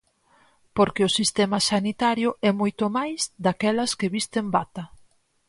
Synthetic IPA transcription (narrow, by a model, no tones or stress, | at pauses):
poɾkeʊsist̪ɛmɐsanit̪aɾjʊʔɛmojt̪omajzd̪akɛlɐskeβist̪embat̪ɐ